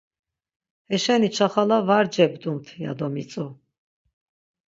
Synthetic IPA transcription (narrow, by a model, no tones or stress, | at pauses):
hɛʃɛnit͡ʃʰaχalavaɾd͡ʒɛbd̪umt̪ʰja̰d̪ɔmit͡sʼu